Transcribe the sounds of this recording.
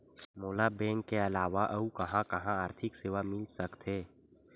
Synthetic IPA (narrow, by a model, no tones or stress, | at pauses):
moːlabɛ̃ːŋkːeɐlaːʋaʔɐukɐɦãkɐɦãaːɾt̪ʰɪkseːʋamɪlsɐkt̪eː